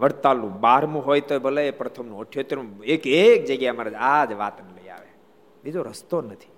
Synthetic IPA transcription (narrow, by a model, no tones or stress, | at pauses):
ʋəɽt̪alũbaɾmũɦojt̪oebʱələepɾət̪ʰəmnũəʈʰjot̪eɾũekek̚d͡ʒəɡjamaɾəd͡ʒad͡ʒʋa̰t̪nələja̰ʋe | bid͡ʒoɾəst̪onət̪ʰi̥